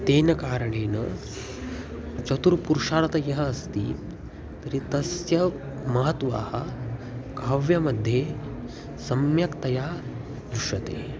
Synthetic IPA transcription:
t̪eːnɐkaːɾɐɳeːnɐ | t͡ʃɐt̪uɾpuɾuʂaːɽɐt̪ɐjɐɦɐɐst̪ḭː | t̪ɐɾit̪ɐsjɐ | mɐɦɐt̪ʋa̰ːhɐ | kɐʋjɐmɐd̪ʱːje | sɐmjɐkt̪ɐjaː | d̪ɾuʂɐt̪ḛː

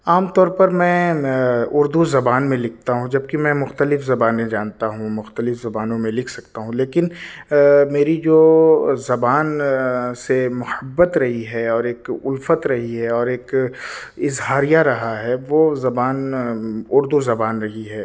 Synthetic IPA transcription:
aːmt̪ɔːɾpɐɾmɛ̃ː | ʊɾd̪uzɐbaːnmẽlɪkʰt̪aɦũd͡ʒɐb̚kimɛ̃mʊxt̪əlɪfzɐbaːnẽd͡ʒaːnt̪aɦũmʊxt̪əlɪfzɐbaːnõmẽlɪkʰsɐkt̪aɦũleːkɪn | meːɾid͡ʒoːzɐbaːnsemʊhəbːət̪ɾɐɦiɦɛɔːɾeːkʊlfət̪ɾɐɦiɦɛɔːɾeːk | ɪzɦaːɾijaɾɐɦaɦɛʋoːzɐbaːn | ʊɾd̪uzɐbaːnɾɐɦiɦɛː

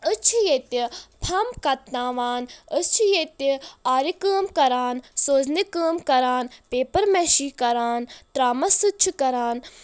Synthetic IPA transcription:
ət͡ʃʰijet̪ipʰɐmkɐt̪nãːʋaːnət͡ʃʰijet̪iaːɾikəːmkɐɾaːnsoːznikəːmkɐɾaːnpeːpɐɾmeʃiːkɐɾaːnt̪ɾaːmɐsɨt͡ʃʰikɐɾaːn

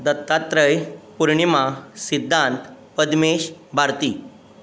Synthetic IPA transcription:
d̪ət̪ːat̪ɾəjpuɾɳimasid̪ʱːant̪ | pəd̪meɕbʱaɾt̪iː

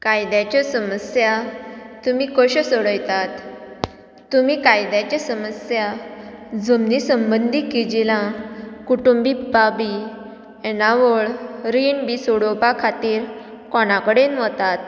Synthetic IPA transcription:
kajd̪jat͡ɕasəməsjat̪umikəɕəsəɽəjt̪at̪ː | umiːkajd̪jat͡ɕasəməsja | d͡zumnisəmbənd̪ʱikid͡ʑilãkuʈumbipabi | ɛnaʋəɭɾinbisoɽopakʰat̪iːɾ | kɔnakəɽenʋət̪at̪̚

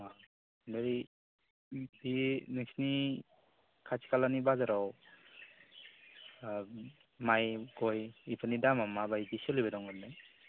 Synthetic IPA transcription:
a | nɯɾi | dinɯsni | kʰat͡ʃʰi̥kalanibazaɾaw | majɡɔjipʰanidamamabajdisɔlibedɔŋɡɯɾnaj

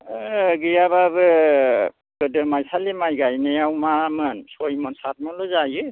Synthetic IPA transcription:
ɡɯjababɯ | kɯdɯmajsalimajɡajnejawmamɯnsɔjmɔnsat̚mɔlɔzajɯ

